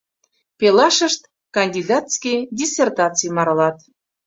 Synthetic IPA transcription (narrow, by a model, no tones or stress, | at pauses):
pelɑʃə̆ʃt̪ | kɑnʲd̪ʲid̪ɑt̪skʲijdʲisʲert̪ɑt͡sijmɑɾlɑt̪